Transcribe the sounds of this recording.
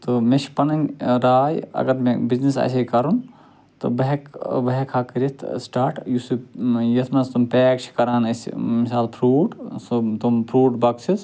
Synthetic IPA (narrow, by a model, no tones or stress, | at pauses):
t̪omeʃʰpɐnɐnʲɾaːjɐ̰ɡɐɾmebiznisa̰s̬ʲekɐɾun | t̪o̰bɐɦekbɐɦekʰaːkɨɾit̪ʰsʈaːɾʈjusujɐt̪ʰmɐst̪umpɛːk̚t͡ʃʰi̥kɐɾaːnɐsʲmisaːlpʰɾuːʈsot̪umpʰɾuːʈbɐksʰiz